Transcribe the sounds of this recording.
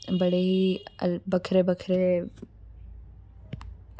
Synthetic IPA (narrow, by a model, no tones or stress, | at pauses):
bɐɽeɦibɐkʰɾebɐkʰɾe